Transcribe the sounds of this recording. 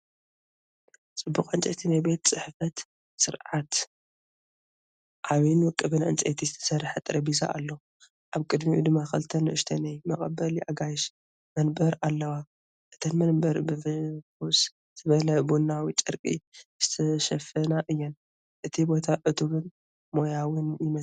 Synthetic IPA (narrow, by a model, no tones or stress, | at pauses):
t͡sʼɨbːuqʼant͡ʃʼɐt̪ʰinajbe̞t̪t͡sʼɨħfɐt̪ | sɨɾʕat̪ | ʔaβinwɔkʼːɨβɨnɨ̰nt͡sʼḛt̪ʰizɨt̪ʰɐ̥sɐrːħɐt̪ʼɨɾɐbiza̰ʔa̰lːo | ʔaβkʼɨd̪miʔṵd̪ɨmːakɨlt̪ʰɐnɨʔɨʃt̪ʰɐnajmɐχʼɐbɐliʔaɡajɪʃ | mɐnbɐɾalːɐwa | ʔɨt̪ʰɐnmɐnbɐɾbɨffus | t̪ʰɨβɐlɐbunːawit͡ʃʼɨɾkʼḭz̥ɨt̪ʰɐʃɐfɐnaʔɨjːɛn | ʔɨt̪ʰibo̞t̪ʰaʕɨt̪ʰuβɨn | mo̞jawɨnjɪmɐ